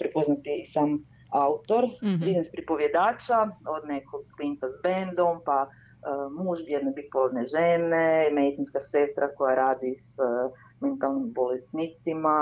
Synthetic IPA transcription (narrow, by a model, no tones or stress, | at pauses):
pɾɛpoznat̪iːsaːm | aut̪o̞ɾt̪ɾiznespɾipoʋjed̪aːt͡ʃaod̪nekʰoɡlint̪azbend̪o̞mpa | muːʒb̪jed̪nobit̪̚pod̪neʒenemed̪it̪sinskasest̪ɾʔakojaɾaːd̪is | ment̪alˠnimbolesnit̪sima